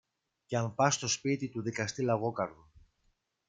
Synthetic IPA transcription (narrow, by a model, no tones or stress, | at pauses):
ceɐɱpɐst̪o̞spit̪it̪uðikɐst̪ilɐɣo̞kɐɾðo